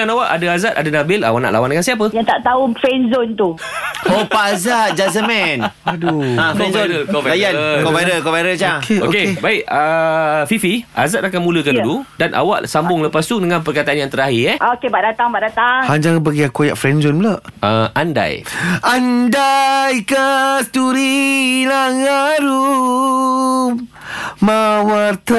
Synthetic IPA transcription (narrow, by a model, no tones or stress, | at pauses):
anawaʔadəazat̪adənabɪla̰waʔna̰ʔlʔawandəŋansiap̬əjaŋt̪aʔt̪aufɾɛnzont̪u | hopaazat̪̚d͡ʒazəmɛn | aduakoaəkopaajankopaɾəkovaɾət͡ʃakeookebaɪʔəfifia̰zat̪̚akanmũləkanduludanʔa̰wa̰ʔsambʊŋləpast̪udəŋãnpərkat̪aʔanjaŋt̪əɾaɦiɛʔaokebaʔdat̪aŋbaʔdat̪aŋhand͡ʒaŋbəɡiakojaʔfɾɛnd͡ʒonbəlaʔəʔanda̰jandajkast̪uɾilaŋaɾu | mawat̪